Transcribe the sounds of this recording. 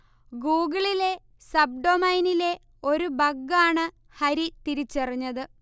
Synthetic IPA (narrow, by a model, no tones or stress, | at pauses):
ɡuːɡɐɭile̞ | sɐb̚ɖomɐjnile̞ | o̞ɾubɐɡːaːɳɨ | hɐɾit̪iɾit͡ɕːɐriɲːɐðɨ